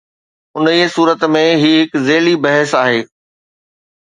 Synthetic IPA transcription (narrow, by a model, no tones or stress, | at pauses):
ʊnisuːɾət̪mẽɦiɦɪkzeːlibɐɦəsaːɦeː